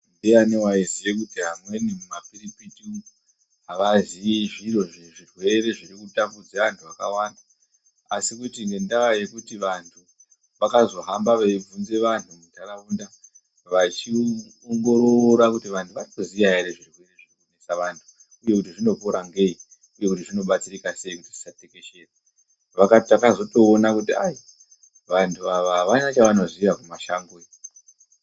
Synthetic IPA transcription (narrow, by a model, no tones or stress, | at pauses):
ndeanewaizijekutiɦamwe̞nimumapiɾipiti | ɦaʋaziiʐiro̞ʐiʐirwe̞ɾe̞ʐirikutambud͡zaʋantʰuʋakawaːndaː | sikutiŋɡe̞ndaʋajekutiʋantʰu | ʋakazo̞ɦambaʋeb͡vunze̞ʋantumutʰaɾaunda | ʋat͡ʃi | oŋɡo̞ɾoɾakutiʋantʰuʋarikuzijaɦeɾeʐirikueneʐikonesaʋantʰu̥ | uje̞kutiʐino̞koɾaŋɡei | uje̞kutiʐino̞ɓat͡sirikase̞ikuti̥ʐi̥sateke̞ʃe̞ːra | ʋakaakazo̞to̞ːnakutiaji | ʋantʰuʋaʋaɦaʋanat͡ʃaʋano̞ʐiʋakumaʃaŋɡoi